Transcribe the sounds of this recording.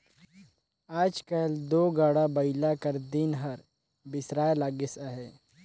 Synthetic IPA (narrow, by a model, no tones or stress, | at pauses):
aːd͡ʒkəld̪oːɡaːɽabəɪlakəɾd̪inɦəɾ | bɪsɾaːlaːɡɪsaɦeː